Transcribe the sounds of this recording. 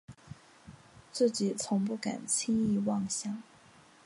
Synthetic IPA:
t͡sɹ̩˥˩t͡ɕi˨˩t͡sʰʊ˧˥ŋp̬u˥˩ka̰˨˩nt͡ɕʰi˥ŋi˥˧wɑ˥˧ŋɕjɑ˥˩ŋ

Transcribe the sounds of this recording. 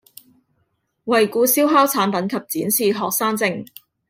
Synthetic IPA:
wɐ˨jkuː˧siː˥wɦaː˥wt͡sʰaː˨˥npɐ˨˥nkʰɐ˨p̚t͡siː˨˥nsiː˨ɦɔː˨k̚saː˥ŋt͡sɪ˨˧ŋ

